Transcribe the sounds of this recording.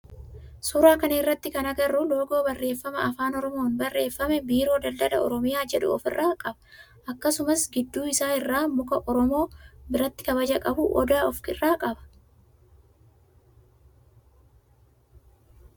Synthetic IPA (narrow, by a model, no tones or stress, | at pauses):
suːɾaːkɐnɐɪrːɐt̪ːɪkɐnɐɡɐrʊlo̞ːɡo̞ːbɐrːe̞ːfːɐmɐ̰ʔɐfaːnɔɾɔmo̞ːnbɐrːe̞ːfːɐmɛbiːɾo̞ːd̪ɐld̪ɐlɐ̰ɔ̰ɾɔmɪjaːd͡ʒɛᶑʊ̰ɔ̰fɪrːaːkʼɐbɐ̥ | ʔɐkːɐsʊmɐsɡɪd̪ːuːɪsaːɪrːaːmʊkɐʔɔɾɔmo̞ːbɪɾɐt̪ːɪ̥kɐbɐd͡ʒɐkʼɐbʊʔɔ̰d̪aːɔfkɪrːaːkʼɐbɐ̥